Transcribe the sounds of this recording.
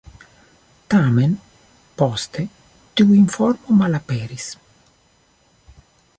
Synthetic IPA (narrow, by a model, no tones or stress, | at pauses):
t̪amen | pɔst̪e | t̪uiɱfɔɾmumalapeːɾis